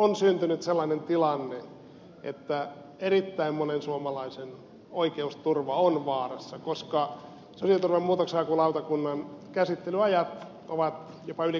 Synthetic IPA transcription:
onsynt̪ynyt̪selːɑinent̪ilɑnːe | ʔḛt̪ːæ | erit̪ːæimmonensuomɑlɑisen | oikeust̪urʋɑonʋɑːrɑsːɑkoskɑ | sosiɑt̪urʋemmuːt̪oksɑːkulɑut̪ɑkunːɑnkæsit̪ːelyɑjɑt̪ | oʋɑt̪ | jopɑyli

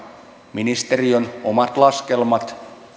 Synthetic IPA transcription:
minist̪e̞rio̞nomɑt̪lɑske̞lmɑt̪

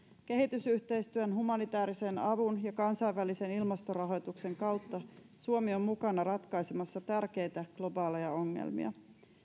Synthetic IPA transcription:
k̟e̞ɦit̪ysyht̪e̞jst̪yønɦumɑnit̪æːɾise̞nɑʋunjɑkɑnsɑjʋʋælise̞nilmɑst̪o̞rɑɦo̞jt̪ukse̞ŋkɑwt̪ːɑ | suomio̞mːukɑnɑɾɑt̪kɑjsemɑsːɑt̪ærke̞jt̪æɡ̥lo̞bɑːlejɑo̞ŋːḛlmḭɑ̰

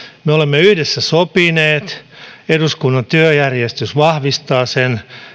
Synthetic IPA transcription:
meolemːeyhdesːæsopineːt̪eduskunːɑnt̪yøjærjest̪ysʋɑhʋist̪ɑːsen

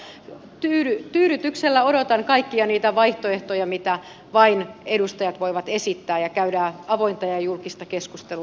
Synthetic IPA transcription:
t̪yːɾyt̪yːɾyt̪ykselːæoɾot̪ɑŋkɑikːiɑniːt̪æʋɑiht̪oeht̪ojɑmit̪æ | ʋɑinedust̪ɑjɑt̪ʋoiʋɑt̪esit̪ːæːjɑkæydæɑʋoint̪ɑjɑjulkist̪ɑkeskust̪elu

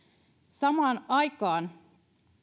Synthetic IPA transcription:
sɑmɑːnɑjkɑːn

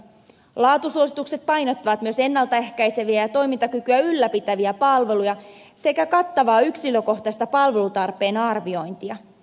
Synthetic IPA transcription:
lɑːt̪usuosit̪ukse̞t̪̚pɑjno̞t̪ːɑʋɑt̪myø̞se̞nːɑlt̪ɑe̞hkæjse̞ʋiæjɑt̪o̞jmint̪ɑkykyæylːæpit̪æʋiæpɑlʋe̞lujɑse̞kækɑt̪ːɑʋɑːyksiløko̞ht̪ɑst̪ɑpɑlʋe̞lut̪ɑrpˑe̞ːnɑrʋio̞jnt̪iɑ

